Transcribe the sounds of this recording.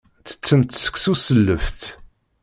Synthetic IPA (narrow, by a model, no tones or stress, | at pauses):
t͡sə̥t͡sːəmt̪sə̥ksusəlːəft̪